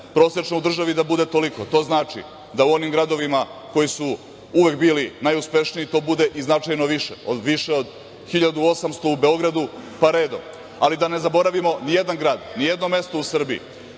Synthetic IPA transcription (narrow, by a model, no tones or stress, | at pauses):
pɾo̞ːsɾet͡ʃnoud̪r̩ʒaʋid̪abud̪e̞t̪o̞likot̪o̞ːznaːt͡ʂḭ | d̪auo̞nimɡɾad̪o̞ʋimako̞jisu | uʋekbiːlinajuspe̞ʃniit̪o̞ːbud̪e̞ʔiznat͡ʃajno̞ʋiʃḛo̞d̪ʋiʃeod̪ | xiʎad̪uo̞samst̪o̞ube̞o̞ɡɾad̪upaɾe̞ːd̪o̞̰m | alid̪ane̞zabo̞ɾaʋimo̞nijed̪anɡɾaːd̪nijed̪no̞me̞st̪o̞usr̩biḭ